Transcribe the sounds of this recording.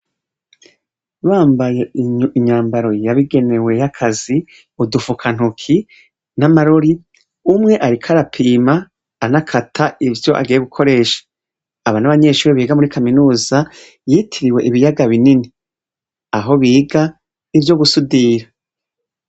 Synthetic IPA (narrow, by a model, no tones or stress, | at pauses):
βaːmbaje̞iɲaːmbaɾo̞jaβiɡe̞ne̞we̞jakʰazi | udufukʰan̥hukʰi | namaɾoɾi | umŋe̞ʔaɾikʰaɾapʰiːmaː | nakʰatʰaʔivjo̞ʔa̰ɡiːjeɡukʰo̞ɾe̞ːʃḁː | βanaβaɲe̞ːʃuːɾiβiːɡamuɾikaminuːza | jiːtʰiɾiwe̞ʔiβijaɡaβinini | aɦo̞βiːɡa | ivjo̞ɡusudiːɾa